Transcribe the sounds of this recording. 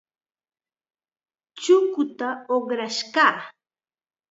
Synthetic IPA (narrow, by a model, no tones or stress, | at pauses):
t͡ʃʊkʊt̪aoχɾaʃɢɑː